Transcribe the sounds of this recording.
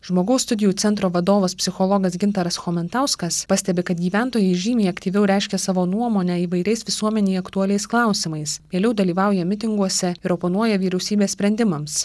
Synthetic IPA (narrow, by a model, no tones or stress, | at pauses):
ʒmoːɡɐʊst̪ʊd̪ʲɪjuːt̪sʲɛnt̪ɾoːʋɐd̪oːʋɐspʲsʲɪxolˠɔːɡɐsɡʲɪnt̪ɐɾɐsxoːmʲɛnt̪ɐˑʊskɐspɑsʲt̪ʲɛbʲɪkɐt̪ɡʲiːʋʲæˑnt̪oːjɛɪʒʲiːmʲiːjɐkt̪ʲiːʋʲɛʊɾʲɛˑɪʃʲkʲɛsɑːʋoːnuɔmoːnʲɛiːʋɐɪɾʲɛɪsʋʲɪsuɔmʲɛnʲeɪɐkt̪uɐlʲɛɪsklˠɑˑʊsʲɪmɐɪsʋʲeːlʲɛʊd̪ɐlʲiːʋɑˑʊjɛmʲɪt̪ʲɪŋɡuɔsʲɛɪɾopoːnuɔjɛʋʲiːɾʲɛʊsʲiːbʲeːssʲpʲɾʲɛnʲd̪ʲɪmɐms